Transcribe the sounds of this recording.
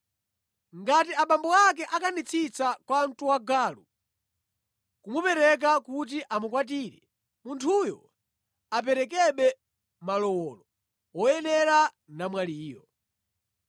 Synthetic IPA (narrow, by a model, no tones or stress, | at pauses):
ŋɡatiaɓambɔak̬ɛʔakanit͡sʰit͡sakwan̩tuwaɡaːlu | kumupɛɾɛk̬akut̬iʔamukwat̬iɾɛ | muntʰujɔ̰ | ap̬ɛɾɛk̬ɛɓɛ | malɔwɔːlɔ | wɔjɛnɛɾa | namwaliːjɔ